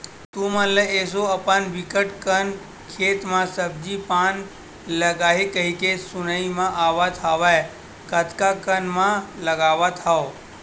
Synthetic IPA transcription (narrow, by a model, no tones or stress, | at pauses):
t̪ũmãləesoəpənʋɪkəʈkən | kʰeːt̪mãsəb̚d͡ʒipan | ləɡaɦekəɦikesʊnəimãʔaʋat̪ʰaʋae | kət̪ʰkakənmãləɡaʋat̪ʰao